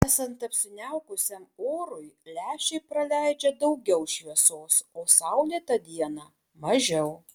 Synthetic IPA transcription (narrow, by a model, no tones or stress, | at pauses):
æːsɐnt̪ɐpʲsʲɪnʲæʊkʊsʲɛmoːɾʊjlʲæːʃʲɛɪpɾɐlʲæɪd͡ʒʲɛd̪ɐʊɡʲɛʊʃʲʋʲiɛsoːsoːsɑʊlʲiɛt̪ɐd̪ʲiɛnɑː | mɐʒʲɛʊ